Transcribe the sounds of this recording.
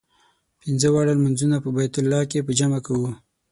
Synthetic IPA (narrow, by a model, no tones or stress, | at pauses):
pɪnzəwaɽalmanzunapəbajt̪ʊlːɑkepəd͡ʒamakawu